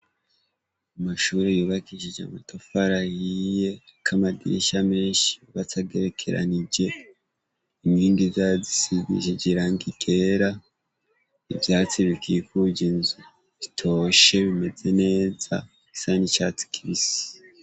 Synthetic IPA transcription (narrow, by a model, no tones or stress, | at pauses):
umaʃuːɾejuːβakiʃid͡ʒa̰matofaɾahije̞kʰamadḭʃame̞ːnʃiβat͡saɡeɾekʰe̞ɾa̰niɟe̞ | imɡiːŋɡizazisizḭʃiɟiɾaŋɡiɡe̞ɾa | ivjaːt͡siβikʰikuɟinzu | βitʰo̞ʃe̞βime̞ze̞ne̞ːza̰ | ki̥sanit͡ʃat͡si̥kʰiβisi̥